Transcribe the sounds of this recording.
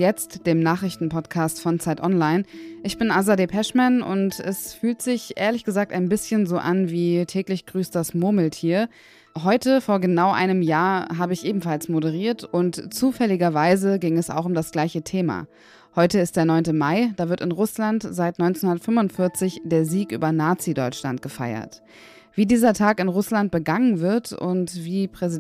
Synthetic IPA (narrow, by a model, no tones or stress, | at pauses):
jɛt͡std̥eːmnaːχʁ̥ɪçtn̩pʰɔtkʰaːstfɔnt͡saɪtʔɔnlaɪnʔɪçb̥ɪnʔazadepʰɛʃmɛnʊ̰ntɛsfyːltz̥ɪçʔḛːɐlɪçɡ̥əzaːk̚taɪnbɪsçənzoːʔanviːtʰɛːklɪçɡ̥ʁyːstd̥asmʊɐməl̩tʰiːɐ | ɦɔʏtəfoːɐɡənaʊʔa̰ɪnəmjaːɐɦaːbəɪçʔeːbm̩falsmoɾəʁ̞iːɐtʊntt͡suːfɛlɪɡɐvaɪzəɡɪŋɛsa̰ʊxʊmdasɡ̥laɪçətʰeːma̰ː | hɔʏtəɪst̚d̥eːɐnɔʏntəmaɪd̥aːvɪɐtɪnʁʊslantz̥aɪtnɔʏnt͡snhʊndɐtfʏmvʊntfɪɐt͡sɪçd̥eːɐziːkʔy̰ːbɐnaːt͡sidɔʏt͡ʃla̰nt̚ɡ̥əfa̰ɪɐ̰t | v̥iːdiːzɐtʰaːkɪnʁʊslant̚b̥əɡaŋənvɪɐtʊ̰ntv̥iːpʁ̥ɛzi